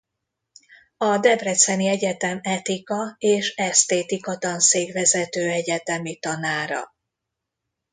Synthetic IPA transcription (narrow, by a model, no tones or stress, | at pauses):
ɒd̪ɛbrɛt̪sɛniɛɟɛt̪ɛmɛt̪ikɒeːʃɛst̪eːt̪ikot̪ɒnseːɡvɛzɛt̪øːɛɟɛt̪ɛmit̪ɒnaːɾɒ̰